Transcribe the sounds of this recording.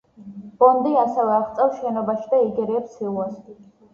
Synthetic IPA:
b̥ɔnd̪iasɛvɛaʁt̪sʼɛwʃɛnɔbaʃid̪aiɡɛɾiɛpsʰilˠuasi

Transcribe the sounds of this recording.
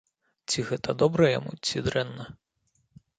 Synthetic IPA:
t͡sʲiɣɛt̪ɐd̪ɔbɾɛjɐ̰mut͡sʲid̪ɾɛnːɐ

